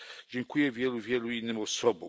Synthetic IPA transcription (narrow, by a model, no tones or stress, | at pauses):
d͡ʑɛŋkujɛvʲjɛluvʲjɛluinːɘmɔsɔbɔ